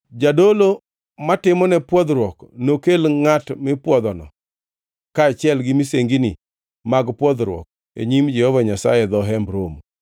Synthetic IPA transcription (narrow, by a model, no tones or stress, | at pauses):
d͡ʒadolo | matɪmɔnɛpwɔd̪ɾwɔknokelŋatmɪpwɔd̪ɔnɔ̰ | kaːt͡ʃɪɛlɡɪmiseŋɡini | maɡpwɔd̪ɾwɔ̰k̚ | ḛɲimd͡ʒɛhɔvaɲasa̰jɛd̪ɔɦɛmbɾom